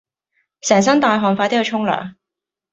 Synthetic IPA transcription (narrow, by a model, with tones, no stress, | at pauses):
sɛː˨˩ŋs̬ɐ˥nt̪aː˧jɦɔː˨˩ŋfaː˧t̪ːhɐ˧t͡ʃʰʊ˥ŋlœ̰ː˨˩ŋ